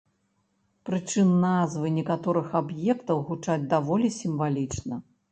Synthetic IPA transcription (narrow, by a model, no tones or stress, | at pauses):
pɾɨt͡ʂɨnːazvɨnʲɛkat̪ɔɾɨxabjɛkt̪ɐwɣut͡ʂad͡zʲd̪avɔlʲisʲimvalʲit͡ʂnɐ